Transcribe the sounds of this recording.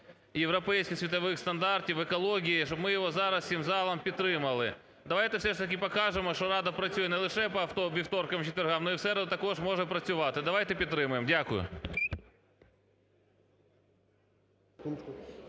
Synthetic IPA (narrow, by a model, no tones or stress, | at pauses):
jeʋɾɔpɛjsʲkʲɪxsʲʋʲit̪ɐʋɪxst̪ɐnd̪ɑrtʲiʋekɔlˠɔɣʲijiʃɔbmɪjɔɦɔzɑɾɐssʲimzɑlˠɐmpʲid̪t̪ɾɪmɐlˠɪ | d̪ɐʋɑjt̪ɛwsɛʂt̪ɐkʲɪpɐkɑʒemɔʃt͡ʃɔɾɑd̪ɐpɾɐt͡sʲujɛnɛlˠɪʃɛpɔɐft̪ɔʋʲiwt̪ɔrkɐmt͡ʃɪt̪ʋʲerɦɑmnɔiwsɛɾd̪t̪ɐkɔʒmɔʒɛpɾɐt͡sʲʊʋɑt̪ɪd̪ɐʋɑjt̪ɛpʲid̪t̪ːɾɪmʊjemdʲakʊjʊ̰